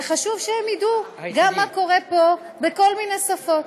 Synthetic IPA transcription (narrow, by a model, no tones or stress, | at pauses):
eχaʃuvʃehemid̪uɡamːako̞ʁepo̞ | beko̞lminesafo̞t̪